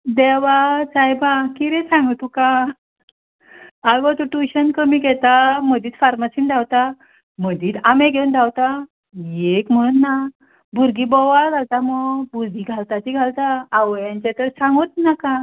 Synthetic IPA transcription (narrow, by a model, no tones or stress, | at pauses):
d̪ɛʋat͡sajbãkiɾɛ̃sãŋɡt̪ukã | aɡɔt̪uʈuɕənkəmiɡʱɛt̪aməd̪iːt̪faɾmasind̪ʱawt̪a | m̤əd̪iːt̪ameɡʱeund̪ʱawt̪a | jekm̤əɽ̃uːnːa | buɾɡibɔʋad͡zʱalt̪amɔbuɾd̪ʱiɡʱalt̪at̪iɡʱalt̪aːʋəjaɲt͡ɕẽt̪əɾsaŋɡot̪nakã